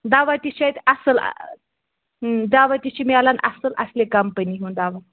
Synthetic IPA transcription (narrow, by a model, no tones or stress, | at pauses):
d̪aʋat̪iɕait̪ɐsəl̰ | d̪aʋat̪it͡ɕimlanɐ̰səlʔɐ̰slekɐmpəniːɦund̪aʋa